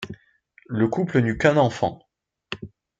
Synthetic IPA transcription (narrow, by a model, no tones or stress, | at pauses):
ləkuplənykɛ̃nɑ̃fɑ̰̃